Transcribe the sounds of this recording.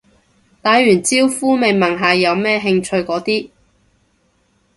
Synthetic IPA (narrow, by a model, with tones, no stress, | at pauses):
t̪aː˨˧jjyː˨˩nt͡siː˥wfuː˥me˨˧jmɐ˨˩ŋɦaː˨jɐ˨˧wmɛː˥ɦɪ˧ŋt͡ʃʰɵ˧ɥkɔː˨˥t̪iː˥